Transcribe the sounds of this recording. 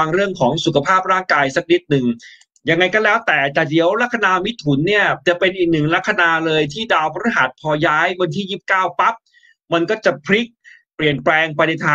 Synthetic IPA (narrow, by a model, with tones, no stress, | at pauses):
a˧ŋɾɯ˥˩əŋkʰɔː˩˦ŋsu˨˩kʰa˧pʰaː˥˩p̚ɾaː˥˩ŋkaː˧jsa˦˥k̚ni˦˥t̪̚nɯ˨˩ŋ | ja˧ŋːa˧jkɔ˥˩lɛː˦˥wt̪ɛː˨˩t͡ɕa˨˩d̪i˩˦əwla˦˥k̚ʰːa˧naː˧mi˦˥t̪ʰːu˩˦nːi˥˩ɐt͡ɕa˨˩pe˧nʔiː˨˩k̚nɯ˨˩ŋla˦˥kʰːa˧naː˧lɤː˧jt̪ʰiː˥˩daː˧wpʰa˧˥ɾu˦˥ɦa˨˩t̪̚pʰɔː˧jaː˦˥jwa˧nt̪ʰiː˥˩jiː˥˩p̚kaː˥˩wpa˦˥p̚ | ma˧nkɔː˥˩t͡ɕa˨˩pʰɾi˦˥k̚ | pli˨˩ənplɛː˧ŋpa˧jna˧jt̪ʰaː˧